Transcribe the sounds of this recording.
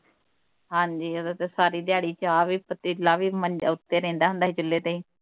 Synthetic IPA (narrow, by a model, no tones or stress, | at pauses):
ɦãːɲd͡ʒiːoːd̪aːt̪eːsaːɾiːd̪ɪjaːɽiːt͡ʃaːʋiːpət̪ilaːʋiːmənʊt̪ːeːɾɛ̃ːnd̪aːɦʊ̃nd̪aːɦiːd͡ʒəlːeːt̪eĩː